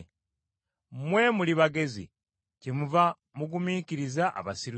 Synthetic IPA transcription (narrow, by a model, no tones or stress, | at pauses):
mwe̞muliβaɡe̞zḭ | cimuva | muɡumiːciɾizaʔa̰βasiɾu